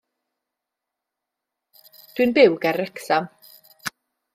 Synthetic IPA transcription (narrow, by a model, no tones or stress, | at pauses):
d̥wɨnbɪwɡɛɾɛksam